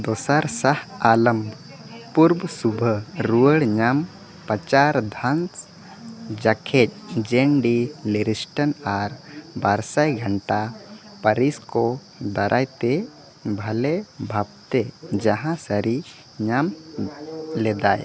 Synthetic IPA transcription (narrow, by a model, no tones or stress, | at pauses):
d̪ɔsaɾsahaləmb | puɾbsubʱəɾuəɽɲam | pət͡ʃaɾd̪ʱans | d͡ʒakʰɛc̚d͡ʒɛɳɖileɾisʈənaɾbaɾsajɡʱəɳʈa | pəɾiskɔ | d̪əɾʔajt̪e | bʱɐlebʱab̚t̪ed͡ʒaɦãsəɾi | ɲam | lɛd̪aj